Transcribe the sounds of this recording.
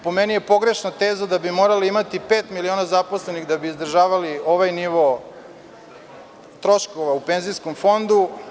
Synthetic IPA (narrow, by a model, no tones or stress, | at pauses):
po̞menije̞po̞ɡɾe̞ʃnot̪eːzad̪abimo̞ːɾaliimat̪ipeːt̪milio̞ːnazapo̞sle̞niɣd̪abiːzd̪r̩ʒaːʋalio̞ʋajniʋo | t̪ɾo̞ʃkoʋaupenziskomfo̞nd̪u